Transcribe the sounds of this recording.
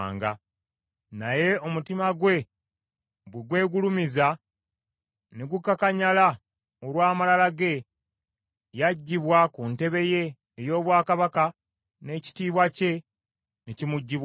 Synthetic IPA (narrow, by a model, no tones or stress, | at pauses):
ŋɡa̰ | naje̞o̞mutimaɡwe̞ | βweɡwe̞ːɡulumiza | neɡukakaɲala | olwaːmalalaɡe̞ | jaɟːiβwakunte̞βe̞je̞ː | jo̞ːβwaːkaβaka | ne̞ːci̥tiːβwace̞ | necimuɟːiβ